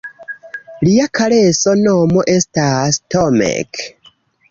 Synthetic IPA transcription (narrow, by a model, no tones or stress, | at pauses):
liakʰalesonomoʔestastomḛk